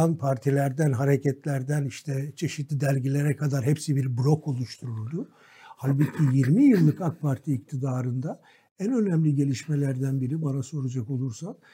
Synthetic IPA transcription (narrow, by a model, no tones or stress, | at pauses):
anpʰaɾt̪ʰilʲæɾd̪ænɦaɾecɛt̪lʲæɾd̪æniʃt̪ʰɛt͡ʃʰe̞ʃit̪lʲid̪ælʲɟilʲe̞ɾɛkʰad̪aɾɦɛpsibiɾblʲo̞ko̞lˠuʃt̪ʰuɾuɾd̪u | halʲbɯcʰijiɾmijɯlˠːɯkak̚pʰaɾt̪ʰiːc̚t̪ʰid̪aːɾɯnd̪a | ænø̞næmlʲiɟe̞lʲiʃme̞lʲæɾd̪ænbiɾibanaso̞ɾad͡ʒako̞lˠuɾsan